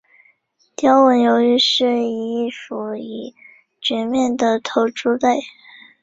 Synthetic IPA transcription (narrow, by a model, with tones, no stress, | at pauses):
t̪jɑ˥ʊwə˧˥njo˧˥ʊy˥˧ʂɻ̩˥˩i˧˥i˥˩fu˧˥i˨˩ | t͡ɕɥɛ˧˥nmjɛ˥˩nd̪ə˨˩t̪ʰo˧˥ʊʈ͡ʂu˥t̪a˥˩ɪ